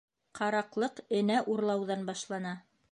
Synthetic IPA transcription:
qʰɑɾɑqlˠɤqɘ̆næʔuɾlˠɑwðɑnbɑʃlˠɑnɑ

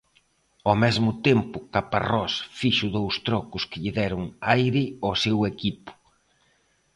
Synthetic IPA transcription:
ɔmɛzmʊt̪empʊkapa̰rɔsfiʃʊðowst̪ɾɔkʊskɪʎɪðɛɾʊŋajɾɪɔsewekipʊ̥

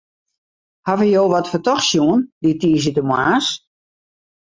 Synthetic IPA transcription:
havəjoːʋɔtfətɔxsjuənditiːs̬ətəmwa̰ːs

